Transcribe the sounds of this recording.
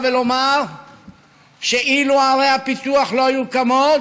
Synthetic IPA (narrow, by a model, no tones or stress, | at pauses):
velomaʁ | ʃeʔiluaʁejhapit̪uaχlo̞ajukamo